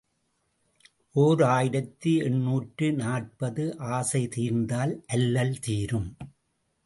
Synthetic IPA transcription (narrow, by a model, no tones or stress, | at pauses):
ʔoːɾaːjɪɾɐt̪ːiɛɳːuːʈrɯnaːʈ̚pɐðɯʔaːsɐɪt̪iːɾnd̪aːlʔɐlːɐlt̪iːɾɯm